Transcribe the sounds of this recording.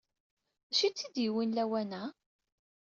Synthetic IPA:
æʃit͡sːid̪jiwinlæwænæ

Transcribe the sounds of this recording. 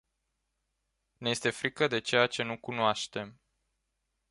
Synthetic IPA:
ne̞je̞st̪e̞fɾikəd̪e̞t͡ʃe̞jat͡ʃe̞nukunoaʃt̪e̞m

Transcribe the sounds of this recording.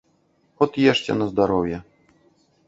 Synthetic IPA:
xɔt̪jɛʂt͡ɕɛ̰nɐzd̪aɾɔvjɛ

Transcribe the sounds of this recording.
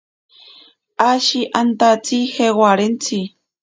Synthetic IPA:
aʃiʔant̪at͡sixewaɾent͡si

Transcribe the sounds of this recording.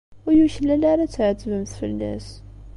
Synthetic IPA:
ʊjuçəlːælaɾat͡sːʕt̪ːvəmθfə̰lːæ̰s

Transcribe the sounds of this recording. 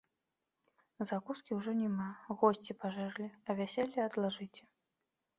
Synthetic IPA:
zakuskʲiwʐɔnʲɛmaɣɔsʲt͡sʲipaʐɛrlʲiɐvʲasʲɛlʲːiɐd̪lˠaʐɨt͡sʲɛ̥

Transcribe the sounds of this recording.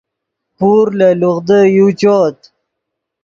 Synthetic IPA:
puɾləluʁd̪əjut͡ɕoːt̪

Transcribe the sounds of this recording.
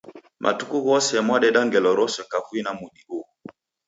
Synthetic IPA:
mʔa̰tukuɣɔsɛmwaɗɛɗaŋɡɛlɔɾɔsɛkafwinamuɗiʔu

